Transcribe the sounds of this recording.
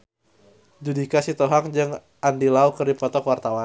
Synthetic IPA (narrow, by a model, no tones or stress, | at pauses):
dudikasit̪ɔɦaŋd͡ʒɨŋ | ʔandilaukərdipɔt̪ɔkwart̪awa